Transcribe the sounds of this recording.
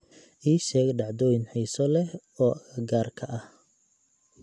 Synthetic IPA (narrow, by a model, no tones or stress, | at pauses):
ʔiːʃɛːɣɛɖɑʕd̪ɔːjɪnħiːsɔlɛh | ɔːʔɐɣɐɡaːrkʰɐʔɐh